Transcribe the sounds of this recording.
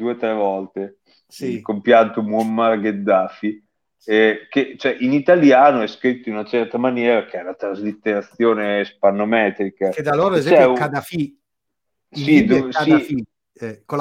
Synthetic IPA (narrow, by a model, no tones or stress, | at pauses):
d̪uːet̪ɾɛvɔlt̪e | ilkompjant̪omuomːarɡed̪ːaːfi | k̟et͡ʃoɛʔinit̪aljaːnoɛskɾit̪ːoinunat͡ʃɛrt̪amanjɛːɾak̟eɛlat̪ɾazlit̪ːeɾat̪sːjoːnespanːomɛːt̪ɾikakd̪aloet͡ʃɛuad̪afi | sid̪uii | ɛko